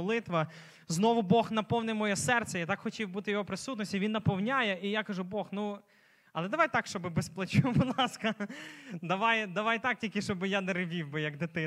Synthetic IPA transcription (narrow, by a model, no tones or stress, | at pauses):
ɔlˠɪt̪ʋɐ | znɔʋʊbɔxnɐpɔwnɪjmɔjɔsɛrsʲɛjat̪ɑkxɔtʲiwbut̪ɪjɔɦɔpɾɪsut̪nɔsʲtʲiʋʲinːɐpɔwnʲajɛʔijakɐʒubɔxnu | ɐlˠɛd̪ɐʋajt̪ɑkʃt͡ʃɔbɪbesplˠɐt͡ʃubʊd̪lˠɑskɐ | d̪ɐʋɑjd̪ɐʋɑjt̪ɑk̚tʲilʲkɪʃt͡ʃɔbɪjanɛɾɪʋʲiwbɪjɐɡd̪ɪt̪ɪ